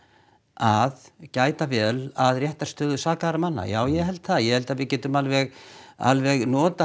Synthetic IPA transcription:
aðcaːjt̪avɛːlaðrjɛht̪arst̪œːðʏsaːkaɾamanːa̰jaːwjɛhɛlt̪θaðjɛhɛlt̪aðvɪcɛːt̪ʏmalvɛɣa̰lvɛɣnɔːt̪a

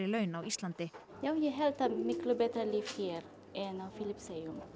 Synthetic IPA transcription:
ɾɪlœɥnawist̪lant̪ɪ | jawjɛɦɛlt̪amɪklʊbɛt̪ɾaliːfçɛːɾ | ʔɛnawfɪlɪpsɛjʊm

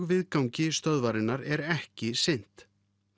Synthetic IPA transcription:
ɣvɪðkawɲcɪst̪œðvaɾɪnːaɾɛɾɛhcɪsɪn̥t̪

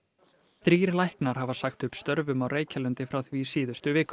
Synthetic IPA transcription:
θɾiːɾlajhknaɾ̥havasaxt̪ʏhpst̪œɾvʏmawreːjcalʏnt̪ɪfɾawθvisiːðʏst̪ʏvɪːk

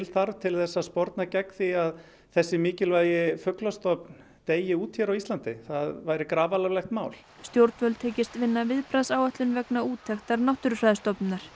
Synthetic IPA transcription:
ɪlθaɾt̪ʰɪlθɛsːaspɔɾt̪nacɛkθiað | θɛsːɪmiːcɪlvaːjɪfʏklast̪ɔpn | t̪eːjɪuːt̪çɛɾawist̪lant̪ɪθaðvaːjɾɪkɾaːvalavlɛxt̪maːwl | st̪jowɾt̪vœlt̪ʰeːcɪst̪vɪnːavɪðpɾaðsaːwɛht̪lʏnvɛknauːt̪ʰːɛxt̪aɾnawht̪ʏɾʏfɾaːjðʏst̪ɔpnnaɾ̥

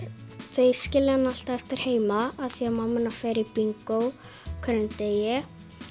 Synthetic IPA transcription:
θejscɪːlɪanal̥t̪aɛft̪ɪɾ̥heːjmaaðθiamamːɪnafɛːɾɪpiŋkow | kʰɛɾɛnt̪ejɛ

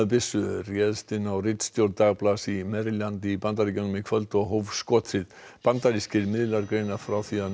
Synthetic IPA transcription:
ʏp̬ɪsːʏrjɛðst̪ɪnːawrɪt̪st̪jowlt̪aɣplasimɛɾljant̪ɪipant̪aɾicanmɪkʰvœlt̪ɔɣɦowvskɔt̪ʰɾɪð | pant̪aɾiscɪɾmɪðlaɾkɾejnafɾawθia

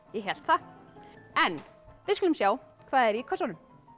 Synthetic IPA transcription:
jɛɦɛl̥t̪θa | ɛnvɪðskʏlʏmsjaːw | kʰvaːðɛɾjikʰɔsawnʏm

